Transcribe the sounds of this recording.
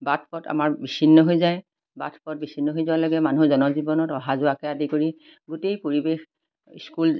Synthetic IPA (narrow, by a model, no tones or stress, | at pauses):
bat̚ʰpɔta̰maɹbisinːɔɦojzaj | ba̰tʰpɔt̚bisʰinːɔɦojzʊaloɡɛmanuzɔnɔzibɔnɔtɔɦazʊakɛadikoɹi | ɡutejpoɹibex | skul